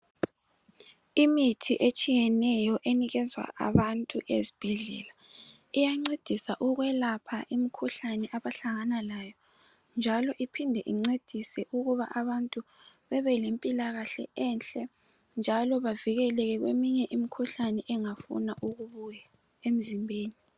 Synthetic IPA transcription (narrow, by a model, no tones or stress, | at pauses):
imitʰiʔet͡ʃʼijɛnɛjɔʔeniɣɛzwa̰ʔa̰βantʼuʔḛzib̥ʱɛɮɛ̰la | ijaŋ͡ǀed̥ʱisaʔuɣwɛlapʰaʔimikʰuɬanɛʔaβaɬaŋanalaːjɔ | nd͡ʒʱalɔʔipʰindʱɛʔiŋ͡ǀed̥ʱisɛʔuɣuβaʔaβantʼuβɛβɛlempʼilaɣaɬɛ̰ɛnɬʼɛ | nd͡ʒʱalɔβaviɣɛlɛɣɛɣwḛmiɲɛʔimikʰuɬanɛʔɛŋafṵnaʔuɣuβuja | em̩zimbʱeːni